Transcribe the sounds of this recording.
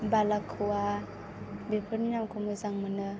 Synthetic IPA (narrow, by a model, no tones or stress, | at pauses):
balakʰːɯwa | bepʰɯɾninamkʰumɯzaŋmɯnɯ